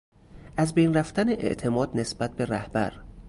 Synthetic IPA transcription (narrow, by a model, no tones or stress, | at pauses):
ʔæzbejnræft̪æneʔḛʔt̪ʰe̞mɒːd̪ne̞sb̥æt̪̚be̞ɾæhb̥æ̰ɾ